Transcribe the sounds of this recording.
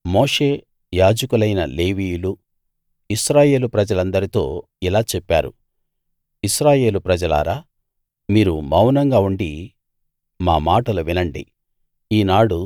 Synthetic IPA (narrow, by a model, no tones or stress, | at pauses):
mo̞ːʂe̞ː | jaːd͡ʒɐkulɐjnɐ̰le̞ːʋiːjulu | iʃɾaːje̞ːlupɾɐd͡ʒɐlɐnd̪ɐɾit̪o̞̰ː | ilaːt͡ʃɛpːaːɾṵ | iʃɾaːje̞ːlupɾɐd͡ʒɐla̰ːɾaː | miːɾumɐwnɐŋɡaːuɳɖi | maːmaːʈɐluʋinɐɳɖḭ | iːnaːɽu